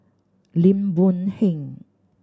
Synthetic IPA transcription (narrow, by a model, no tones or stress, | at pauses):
limbunhiŋ